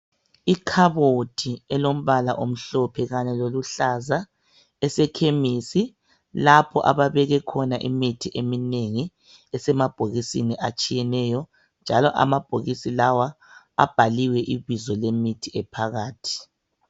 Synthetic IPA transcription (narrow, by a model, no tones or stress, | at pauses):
ikʰaβotʰiɛlom̩βala̰ʔom̩ɬɔpʰɛɣaɲɛloluɬaza | ɛsɛkʰemisi | lapʰɔʔa̰βaβɛɣɛkʰɔnaʔḭmitʰiʔemineŋi | ɛsɛmab̥ʱoɣisiniʔat͡ʃʼijɛnɛjɔ | nd͡ʒʱalɔʔa̰mab̥ʱoɣisilawa | a̰b̥ʱaliwɛʔiβizɔlemitʰiɛpʰaɣaːtʰi̥